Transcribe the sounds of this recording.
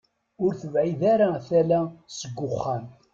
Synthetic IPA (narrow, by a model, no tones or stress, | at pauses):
ʊɾθəvʕiðaɾaθælæsəɡʷːʊχːan